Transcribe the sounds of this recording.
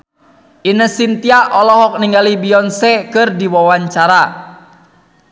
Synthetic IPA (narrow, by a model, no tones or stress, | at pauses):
ʔinəsint̪iaʔɔlɔɦɔk̚niŋɡalibiɔnsɛkɨrdiwawaɲt͡ʃaɾa